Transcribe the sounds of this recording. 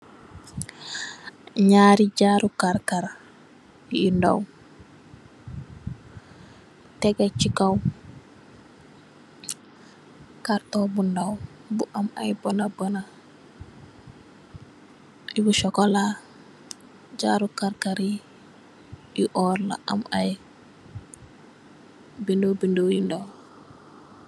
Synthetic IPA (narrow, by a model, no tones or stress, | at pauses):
ɲaːɾid͡ʒaɾukaɾkaɾ | inda̰w | tɛɡat͡ʃikaw | kaɾtɔbundaw | buʔama̰jbonabəna | ibuʃɔkɔla | d͡ʒaɾukaɾkaɾi | iʔɔɾla̰ʔa̰maj | bindobindowjindaw